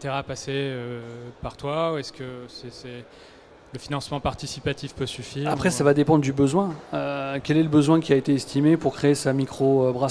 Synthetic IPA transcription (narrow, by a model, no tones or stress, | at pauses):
t̪eʁapaseøpaʁt̪wauɛskʲəsɛsɛ | ləfinɑ̃smɑ̃paʁt̪isipat̪ifpøsyfiːapχɛsavad̪epɑ̃d̪ʁd̪ybəzwɛ̃økʲɛlɛləbəzwɛ̃kʲiaet̪eɛst̪ʰimepuʁkχeːsamikχoøbʁa